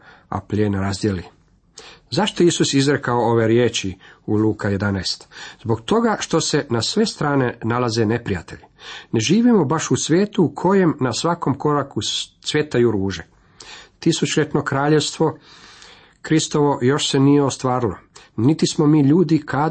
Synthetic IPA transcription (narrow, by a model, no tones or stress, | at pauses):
a̰plʎeːnaɾazd̪jeli | zaʃt̪o̞isusizɾekaooʋe̞ɾjeːt͡ʃiuluːkaje̞d̪anaest̪zbo̞ɡt̪o̞ɡaʃt̪o̞se̞nasʋe̞st̪ɾaːne̞nalaze̞ne̞pɾijat̪e̞̰ʎine̞ʒiːʋimo̞baʃusʋʲje̞ːt̪uːkʰo̞je̞mnasʋako̞mko̞ɾaku | sʋje̞t̪ajuɾuːʒe | t̪isut͡ʃʎet̪no̞kɾaːʎe̞ʋst̪ʋo̞ | kɾist̪o̞ʋo̞jo̞ʃsenijeo̞st̪ʋaːɾilˠo̞̰ | nit̪ismo̞miːʎuːd̪ikʰa